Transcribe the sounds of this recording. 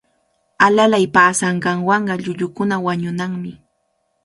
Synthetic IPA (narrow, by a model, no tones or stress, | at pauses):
alalajpaːsɑɴɢɑɴwɑɴɢɑʎʊʎʊkʊnawaɲʊnaŋmɪ